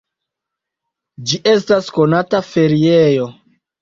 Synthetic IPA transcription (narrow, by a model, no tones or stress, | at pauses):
d͡ʒiʔe̞stasko̞natafe̞ɾiejo̞